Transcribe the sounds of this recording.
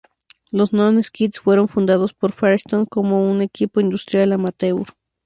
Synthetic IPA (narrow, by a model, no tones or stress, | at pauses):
losnoneskit̪sfweɾonfund̪aðospoɾfaɾst̪oŋkomounekipoind̪ust̪ɾjalamat̪euɾ